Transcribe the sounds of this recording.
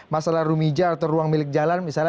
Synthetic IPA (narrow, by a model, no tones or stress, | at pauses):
masalahɾumid͡ʒaːrt̪awɾuaŋmilɪk̚d͡ʒalanmisal